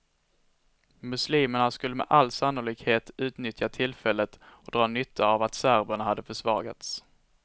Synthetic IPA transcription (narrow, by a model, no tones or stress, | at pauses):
mɵsliːməɳaskɵlːəmɛ̰ʔalːsanːʊliːkheːt̪ʉ̟ːt̪nʏt̪ʰjat̪ʰɪlfɛlːət̪ɔd̪ɾɑːnʏt̪ʰːaːvat̪sæɾbəɳahad̪ːəfœʂvɑ̰ːɡa̰t̪s